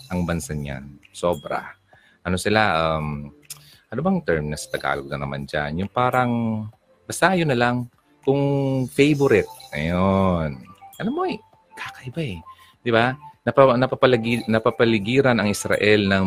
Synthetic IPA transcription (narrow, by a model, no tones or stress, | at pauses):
ʔɐŋbɐnsaɲa̰nso̞ːbɾa̰ | ʔɐno̞sɪlaʔam | ʔɐnʊbɐŋt̪ɛɹmnɐsɐ̥t̪ɐɡa̰ːloɡ̚nɐnɐma̰nd͡ʒa̰njʊŋpaːɾɐŋ | bɐsaːjonɐlaŋ | kʊŋfejboɾɪt̪̚ŋɐ̰jonʔɐnomoʔj | kakɐʔɪbaɛ | d̪ɪbanɐpɐnɐpɐpɐlɡinɐpapɐlɪɡiːɾɐnɐŋɪsɾɐ̰ʔɛlnɐŋ